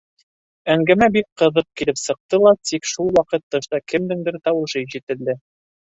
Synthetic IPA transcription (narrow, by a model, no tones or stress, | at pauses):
æŋɡæmæbik̚qɤ̆ðɤq̚kilɘpsɤ̆q̚t̪ɤlˠɑt̪ikʃulˠwɑqɤt̪ːɤ̆ʃt̪ɑkɘ̆md̪ɘ̆ŋd̪ɘɾt̪ɑwɤ̆ʃɤʑit̪ɘ̆ld̪ɘ